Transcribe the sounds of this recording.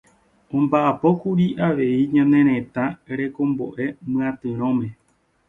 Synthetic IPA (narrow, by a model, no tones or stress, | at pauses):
õ̞mbaʔapo̞kuɾiʔaʋe̞iɲãnẽ̞ɾ̃ẽ̞t̪aɾe̞kõ̞mbo̞ʔe̞mɨ̃ãt̪ɨ̃ɾ̃õmẽ